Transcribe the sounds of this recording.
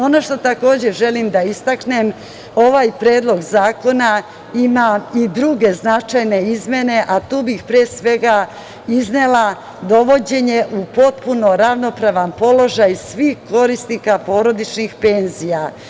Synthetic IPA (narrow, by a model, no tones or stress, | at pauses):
o̞noʃt̪o̞t̪ako̞ːd͡ʑe̞ʒe̞limd̪aist̪aknem | o̞ʋajpɾeːd̪lˠo̞ɡzaːko̞na | imaid̪ɾuɡe̞znat͡ʃajne̞izmje̞ne̞ʔat̪uːbixpɾeːsʋe̞ɡa | izne̞la | d̪o̞ʋo̞d͡ʑe̞ɲe̞ʔupo̞t̪puno̞ɾaʋno̞pɾaʋanpo̞lo̞ʒajsʋiːxko̞ɾist̪niːkapo̞ːɾo̞d̪it͡ʃnixpe̞nzija